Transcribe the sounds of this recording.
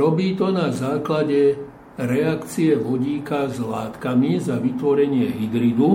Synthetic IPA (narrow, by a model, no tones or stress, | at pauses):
ɾɔbiːt̪ɔnazaːklaɟɛ | ɾɛakt͡siɛʋɔɟiːkazla̰ːt̪kamizaʋit̪ʋɔɾɛɲɪɛɦid̪ɾid̪u